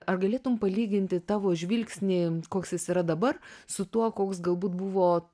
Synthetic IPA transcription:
ɐrɡɐlʲeːt̪ʊmpɐlʲiːɡʲɪnʲt̪ʲɪt̪ɑːʋoːʒʲʋʲilʲksʲnʲikoːksjɪsiːɾɐd̪ɐbɐrsʊt̪uɔkoːksɡɐlˠbuːt̪buʋoː

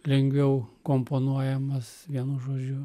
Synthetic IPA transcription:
lʲɛŋʲɡʋʲɛʊkoːmponuɔjɛmɐsʋʲiɛnuʒoːd͡ʒʲʊ

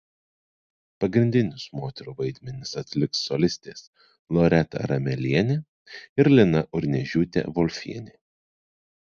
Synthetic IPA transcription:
pɐɡɾʲɪnʲd̪ʲɪnʲʊsmoːt̪ʲɛɾuːʋɐɪd̪ʲmʲɛnʲɪsɐt̪ʲlʲɪksːɔlʲɪsʲt̪ʲeːs | lˠɔɾʲɛt̪ɐ̰ɾɐmʲɛlʲiɛnʲe | ɪɾlʲɪnɐʔʊɾʲnʲɛʒʲuːt̪ʲḛʋɔlʲfʲḭɛnʲeː

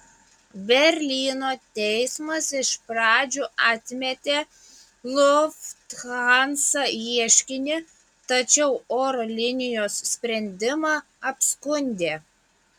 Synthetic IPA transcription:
bʲɛɾʲlʲiːnoːt̪ʲɛɪsmɐsɪʃpɾɑːd͡ʒʲuːʔɑt̪ʲmʲɛt̪ʲeː | lˠʊft̪xɑnsɐiɛʃʲkʲɪnʲɪ | t̪ɐt͡ʃʲɛʊoːɾoːlʲɪnʲɪjoːssʲpʲɾʲɛnʲd̪ʲɪmɑ | ɐpskʊnʲd̪ʲeː

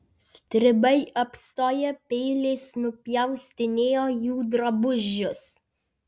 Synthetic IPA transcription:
sʲt̪ʲɾʲɪbɐɪʔɐpst̪oːjɛpʲɛɪlʲeːsnʊpʲjɛʊsʲt̪ʲɪnʲeːjoːjuːd̪ɾɐbʊʒʲːʊs

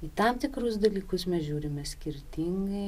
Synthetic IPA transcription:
iːt̪ɐmt̪ʲɪkɾʊsd̪ɐlʲiːkʊsmʲɛsʒʲuːɾʲɪmʲɛsʲkʲɪɾʲt̪ʲiŋɡɐɪ

